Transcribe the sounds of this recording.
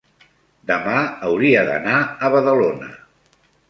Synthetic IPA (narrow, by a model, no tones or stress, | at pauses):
d̪əmaəwɾiəðə̰naəβəðəlonə̰